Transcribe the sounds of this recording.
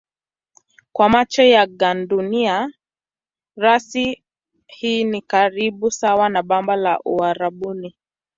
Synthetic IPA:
kwamat͡ʃɔjaɡandunia | ɾasi | hiːnikaɾiɓusawanaɓambala̰ʔuaɾaɓuni

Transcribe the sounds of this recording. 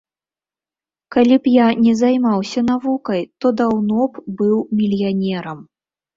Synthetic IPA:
kalʲipjanʲɛzajmawsʲɐn̪avukɐjt̪ɔd̪awnɔpbɨwmʲilʲjanʲɛɾɐm

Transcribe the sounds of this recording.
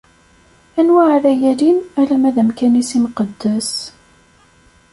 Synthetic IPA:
ænwaʕɾæjælinælæmæðəmkænisimqəd̪ːæs

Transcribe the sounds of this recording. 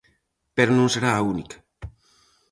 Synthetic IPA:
peɾonõŋseɾaːunikḁ

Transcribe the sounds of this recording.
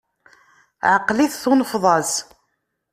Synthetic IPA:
ʕəqːliθθʊnəfðˤɑs

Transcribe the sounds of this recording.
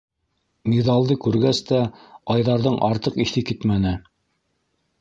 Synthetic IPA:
miðɑlˠd̪ɤkʉɾɡæst̪æɑjðɑɾðɤɴʔɑɾt̪ɤqiθɘkɘt̪mænɘ

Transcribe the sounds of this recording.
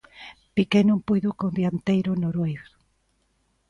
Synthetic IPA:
pikenõmpujðokond̪jant̪ejɾonoɾojs

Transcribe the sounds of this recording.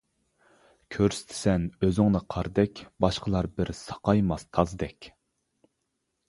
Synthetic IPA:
kʲʰøɾsɪ̥t̪ʰɪ̥sɛnøzɪŋnɨqʰɑɾd̪ɛkʲbɑʃqəlˠɑɾbɪɾsɑ̥qʰɑjmɑst̪ʰɑzd̪ɛkʲ

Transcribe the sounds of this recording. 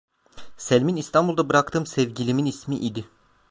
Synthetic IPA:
sælʲminist̪ʰanbulˠd̪abɯɾakt̪ʰɯːmsɛvɟilʲiminismiʔid̪ɪ

